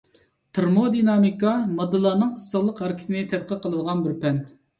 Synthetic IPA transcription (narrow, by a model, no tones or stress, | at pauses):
t̪ʰɨɾmod̪inɑmikɑmɑd̪ɨlˠɑːnɨŋəsːəʁlˠəqɦɛɾkʲʰi̥t̪ʰɪnɪt̪ʰɛd̪̚qʰəqʰəlˠɨnʁɑnbɪɾpɛn